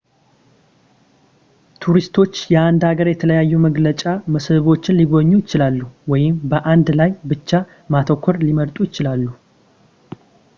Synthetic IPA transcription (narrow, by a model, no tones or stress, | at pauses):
t̪ʰuɾist̪ʰo̞t͡ʃːjɛand̪aɡəɾjɛt̪ʰələjajːuməɡlət͡ʃʼaməsɨβo̞t͡ʃːɪnliɡo̞ɲːujɪt͡ʃɪlalːuwɔjɪmbəʔand̪lajbɨt͡ʃːa | mat̪ʰokʰʷːɔɾliməɾt̪ʼujɪt͡ʃɪlalːu